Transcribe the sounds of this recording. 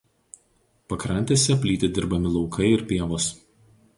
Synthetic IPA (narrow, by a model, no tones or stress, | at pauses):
pɐkɾɐnʲt̪ʲeːsʲɛpʲlʲiːt̪ʲɪd̪ʲɪɾbɐmʲɪlˠɒʊkʰɐɪɪɾpʲiɛʋoːs